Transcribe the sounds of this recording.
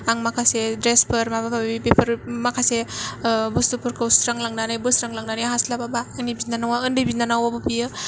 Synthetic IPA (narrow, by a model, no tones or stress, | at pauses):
aŋmakʰasedɾespʰəɾmabababipepʰəɾmakʰase | bustupʰuɾkʰawsɾaŋlaŋnanɯjbɯsɾaŋlaŋnanejɦaslababaːŋnibinanawaɯndɯbinanawabupijɯ